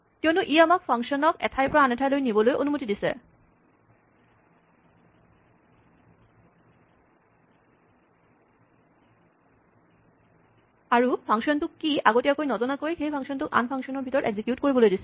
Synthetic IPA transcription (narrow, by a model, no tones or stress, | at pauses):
keonuʔiamakfʰaŋʃɔnɔkɛ̰t̪ʰajpɾaaneʈʰalojnibolojʔonumot̪id̪isʰḛ | aɾufʰaŋʃɔnt̪ukːiaɡotiakojnɔd͡ʑonakojkʰejpʰaŋʃɔnt̪uka̰nfʰaŋʃɔnoɾbʱit̪ɔɾʔḛɡzikjut̚koɾiboloed̪isʰe